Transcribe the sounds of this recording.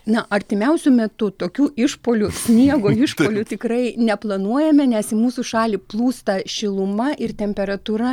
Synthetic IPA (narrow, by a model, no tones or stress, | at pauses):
nɐʔɐɾʲt̪ʲɪmʲɛʊsʲʊmʲɛt̪ʊt̪oːkʲuːʔɪʃpoːlʲʊsʲnʲiɛɡoːɪʃpoːlʲʊt̪ʲɪkrɐɪnʲɛplˠɐnuɔjɛmʲɛnʲɛsɪmuːsuʃɑːlʲiːplˠuːst̪ɐʃʲɪlˠʊmɐʔɪrt̪ʲɛmʲpʲɛɾɐt̪uːɾɐ